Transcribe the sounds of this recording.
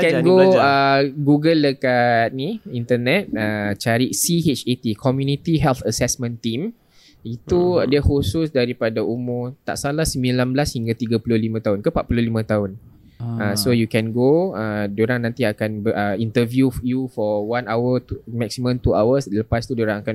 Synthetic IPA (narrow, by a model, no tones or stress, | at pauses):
kɛɡoəɡuɡəlːəkat̪̚niint̪ənɛt̪̚ət͡ʃaɾisiɦet͡ʃet̪ikʰɔmjunit̪iɦɛlt̪ʰəsɛsmə̃nt̪im | it̪udəhosusdaɾipadaumʊrt̪a̰ʔsalahsəmbilanbəlashiŋɡat̪iɡapulʊlimãt̪aʊnkəpaʔpululimãt̪aɦʊn | asojukɛnɡoədoɾaŋnãnt̪iakanbəʔəint̪əvjujufɔwanawət̪umɛk̚simə̃mt̪uawəsləpast̪udoɾaŋakan